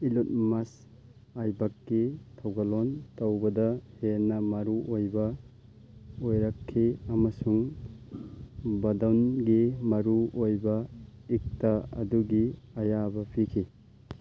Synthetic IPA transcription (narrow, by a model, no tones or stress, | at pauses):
ilut̚mas | ajbakːitʰawɡalɔntawbɐdɐhenɐmɐɾuʔojbɐ | ojɾakʰːiɐmɐsuŋ | bɐdawnɡimɐɾuojbɐ | ik̚taɐ̰duɡi | ɐjabɐpʰikʰi